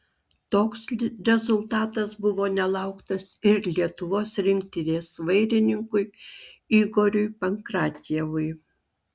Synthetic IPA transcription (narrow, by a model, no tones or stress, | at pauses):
t̪oːksɾʲɛzʊlˠt̪ɑːt̪ɐsbʊʋoːnʲɛlˠɐˑʊkt̪ɐsɪɾlʲiɛt̪ʊʋoːsɾʲɪŋʲkt̪ʲɪnʲeːsʋɐɪɾʲɪnʲɪŋkʊɪiːɡoːɾʲʊɪpɐŋkɾɑːt̪ʲjɛʋʊɪ